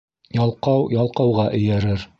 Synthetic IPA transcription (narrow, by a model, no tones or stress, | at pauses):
jɑlˠqɑwjɑlˠqɑwʁɑʔɵ̆jæɾɘɾ